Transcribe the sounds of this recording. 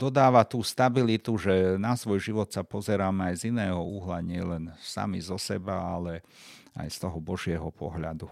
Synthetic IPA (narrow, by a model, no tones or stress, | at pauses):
d̪ɔd̪aːʋat̪uːst̪abilit̪uʒɛnasʋɔjʒiʋɔt̪sapɔzɛɾaːmɛajzinɛːɦɔuɦlaɲɪɛlɛnsa̰mizɔsɛbaalɛ | a̰jst̪ɔɦɔbɔʒɪɛɦɔpʰɔ̰ɦʎa̰d̪u